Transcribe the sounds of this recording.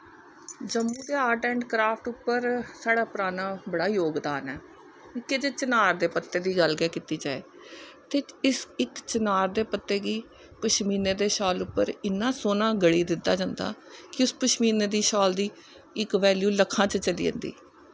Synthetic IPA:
d͡ʒəmːũːd̪eːaːʈɛ̃ːɳɖkɾaːpʰʈʊpːəɾsaːɽaːpʊɾaːnãːbəɽaːjoːɡd̪aːnɛː | ɪkːed͡ʒet͡ʃənaːɾd̪eːpət̪ːeːd̪iːɡəlɡɛːkiːt̪iːd͡ʒaːḛː | t̪eːɪsɪkt͡ʃənaːɾd̪eːpət̪ːeːɡiː | pəʃmiːneːd̪eːʃɔːlʊpːə̰ɾɪnːãːsoːnãːɡəɽiːd̪ɪt̪ːaːd͡ʒãːnd̪a̰ːkɪʊspəʃmiːneːd̪iːʃɔːld̪iː | ɪkʋɛːljuːləkʰãːt͡ʃt͡ʃəlḭːə̰nd̪ḭː

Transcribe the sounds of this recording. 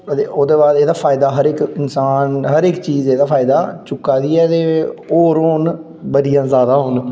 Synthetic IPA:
t̪eʔoːd̪eːbaːd̪eːd̪aːpʰaːɪd̪aːɦəɾɪkɪnsaːnɦəɾɪkt͡ʃiːzeːd̪aːpʰaːɪd̪aːt͡ʃʊkːaːd̪iːɛːt̪eːoːɾoːn | bəd̪ijãːzaːd̪ãːɦʊn

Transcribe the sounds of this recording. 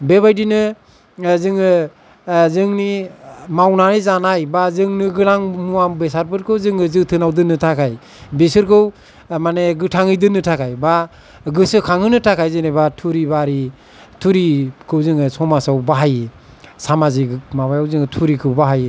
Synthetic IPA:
bebajdinɯ | zɯŋɯ | zɯŋnimawnanɯzanajbazɯŋnɯɡɯɾaŋmuambesaɾpʰɯɾ̚kʰɯwzɯŋɯzɯtʰɯnawdɯnːɯtʰakʰaj | besɯɾkʰɯw | maneɡɯtʰaŋɯjdɯnːɯtʰakʰajba | ɡɯsɯkʰaŋhɯnɯtʰakʰajzenebatʰuɾibaɾi | tʰuɾikʰɯwzɯŋɯsɔmasawbaɦaje | samaziɡmaβajawzɯŋɯtʰuɾikʰɯwbaɦaj

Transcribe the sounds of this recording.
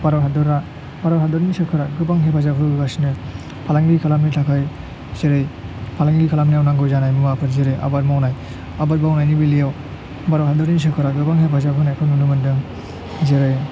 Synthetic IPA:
baɾɔɦadɯɾa | baɾaɦadɔɾnisɯkʰɯɾaɡɯbaŋɦepʰazapʰɯɾɡɯɡasinɯ | pʰalaŋɡikʰalamnitʰakʰaj | zeɾɯjpʰalaŋɡikʰalamnijawnaŋɡɯjzanajmɯmapʰɯɾzeɾɯjʔa̰bat̚mawnaj | abat̚bawnajnibilijaw | baɾaɦadɔɾis̬ɯkʰɯɾaɡɯbaŋɦepʰazapʰɯnajpʰɯnunɯmɯndɯŋ | zeɾɯj

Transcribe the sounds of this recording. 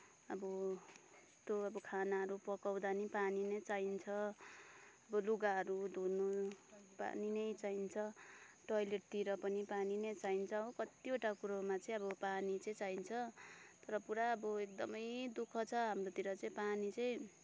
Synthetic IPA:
ʌbʌ | est̪oʌbʌkʰanaɦʌɾupʌkawd̪anipaninet͡saint͡sʰʌ | ʌbʌluɡaɦʌɾud̪ʱonopa̰ninʌjt͡saint͡sʰʌʈʌjleʈ̚t̪iɾʌpʌnipaninet͡saint͡sʰʌːbʌkʌt̪ioʈakuɾomat͡sʌĩʌbʌpanit͡sʌĩt͡saint͡sʰʌt̪ʌɾʌpuɾaʌbʌekd̪ʌmʌjd̪ukʰʌt͡sʰʌɦamrot̪iɾʌt͡sʌĩpanit͡sʌĩ

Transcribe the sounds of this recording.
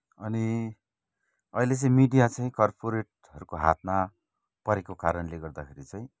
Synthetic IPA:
ʌni | ʌilet͡sʌĩmiɖijat͡sʌĩkʌrpʰoɾeʈ̚ | ɦʌɾukoɦa̰t̪̚ʰma | pʌɾekokaɾʌnleɡʌrd̪akʰeɾit͡sʌ̃ĩ

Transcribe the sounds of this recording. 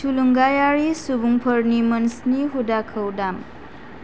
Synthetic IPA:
tʰuluŋɡajaɾisubuŋpʰəɾnimɐnsniɦudakʰəwdam

